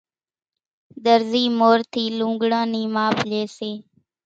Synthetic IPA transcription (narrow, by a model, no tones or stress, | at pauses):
d̪əɾziːmoːɾt̪ʰiːlũːŋɡɽãːniːmaːpleːseː